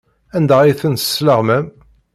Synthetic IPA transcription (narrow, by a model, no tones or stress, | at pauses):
ænd̪æʁiθənə̥sləʁməm